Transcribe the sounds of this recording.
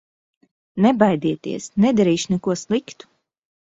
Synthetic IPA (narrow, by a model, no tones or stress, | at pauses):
nɛbajd̪iɛt̪ḭɛsnɛd̪aɾiːʃnɛkuɔslˠikt̪u̥